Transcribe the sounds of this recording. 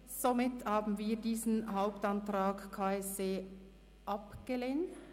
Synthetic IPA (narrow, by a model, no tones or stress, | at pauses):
z̥omɪthaːbn̩viːɐdiːzn̩ɦaʊptantʁaːkkʰaːɛseː | ʔɑpɡ̥əleːnt